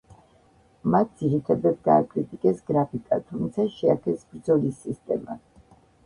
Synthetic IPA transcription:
mat̪̚d̪z̥iɾit̪ʰad̪at̪̚ɡaːkʼɾit̪ʼikʼɛsɡɾapʰikʼat̪ʰumt̪sʰaʃɛakʰɛsbɾd̪zɔlisːist̪ʼɛ̰ma̰

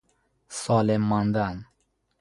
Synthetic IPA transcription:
sɔlemːand̪an

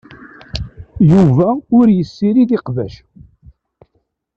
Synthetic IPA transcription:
juvæʊɾjəsːiɾiðiqvæʃ

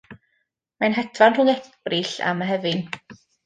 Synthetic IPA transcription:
manɦɛtʰvanruːnɛkbrɪɬa̰maɦɛvɨn

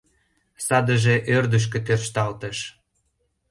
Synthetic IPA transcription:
sɑd̪əʒeʔørd̪əʃ̬kĕt̪erʃt̪ɑlt̪əʃ

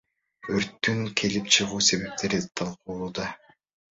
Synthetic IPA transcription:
øɾt̪ːyŋkʰe̞lipt͡ʃʰɯʁuːse̞βe̞p̚t̪ʰe̞ɾit̪ʰɑlˠquːlˠuːd̪ɑ

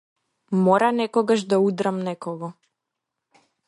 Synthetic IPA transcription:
mɔɾanɛkɔɡaʒd̪aud̪ɾamnɛkɔɡɔ

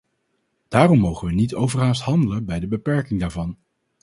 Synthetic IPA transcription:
d̥aːrɔmːowχənʋənitowvərɦaːstɦɑndələbɛjdəbəpɛɹkɪŋdaːɹvɑn

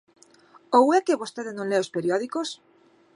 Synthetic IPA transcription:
owekeβost̪eðenõnleospeɾjoðikos

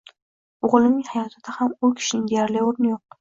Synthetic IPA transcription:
oʁlˠɪmnɪŋhajɒt̪ʰɪd̪ahamʊkʲʰɪ̥ʃɪnɪŋd̪ejaɾlɪoɾnɪjoq̚

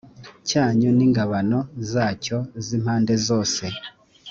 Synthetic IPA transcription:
caːɲuniːŋɡaβano̞zaːco̞zim̥haːnde̞zo̞ːse̞

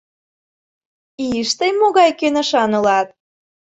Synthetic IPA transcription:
iʃt̪əjmoɣɑjkønə̆ʃɑnɤ̆lɑt̪̚

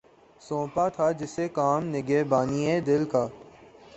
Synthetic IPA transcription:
sõːpat̪ʰad͡ʒɪsekaːmnɪɡeːbaːnied̪ɪlkaː

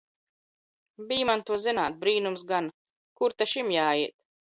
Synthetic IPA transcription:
bijmant̪uɔzinaːt̪̚bɾiːnumsɡan | kuɾt̪aʃimjaːiɛt̪̚

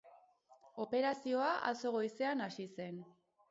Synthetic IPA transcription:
o̞pe̞ɾasio̞aʔa̰so̞ɣ̞o̞jse̞anasise̞n

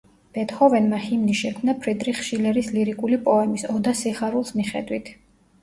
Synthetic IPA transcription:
b̥ɛt̪ʰhɔvɛnmahimniʃɛkʰmnapʰɾid̪ɾiχʃilɛɾisliɾikʼulipʼɔɛmisɔd̪asiχaɾulˠsmiχɛ̰d̪wit̪ʰ

